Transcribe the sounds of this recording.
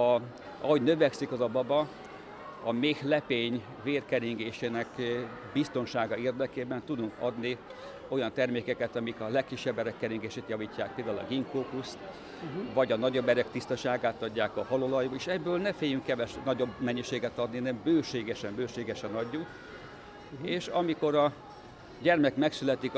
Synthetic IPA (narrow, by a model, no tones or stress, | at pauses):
ɒ | ɒɦoɟnøvɛksikɒzɒbɒbɒ | ɒmeːhlɛpeːɲ | veːrkɛɾiŋɡeːʃeːnɛk | bist̪o̞nʃaːɡɒeːrd̪ɛkeːbɛnt̪ud̪uŋkɒ̰d̪ni | o̞jɒnt̪ɛrmeːkɛkɛt̪ɒmikɒlɛkːiʃːɛbːɛɾɛkːɛɾiŋɡeːʃeːt̪jɒviːcːaːk̚peːld̪aːulɒ̰ɡiŋkoːkust̪ | vɒɟɒnɒɟobɛɾɛkt̪ist̪ɒʃaːɡaːt̪ɒɟːaːkɒɦɒlolɒjuːeːʃɛbːøːlnɛfeːjyŋkːɛvɛʃnɒɟo̞bmɛɲːiʃeːɡɛt̪ɒd̪ninɛmbøːʃeːɡɛʃɛmbøːʃeːɡɛʃɛnɒɟːuk | eːʃɒmiko̞ɾɒ | ɟɛrmɛkmɛksylɛt̪ik